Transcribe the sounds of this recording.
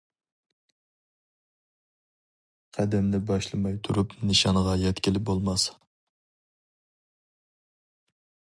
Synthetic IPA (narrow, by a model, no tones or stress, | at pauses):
qʰæd̪ɛmlɪbɑʃlˠɨmɑjt̪ʰuɾupnɨʃɑnʁɑjɛt̪kʲilɪbolˠmɑs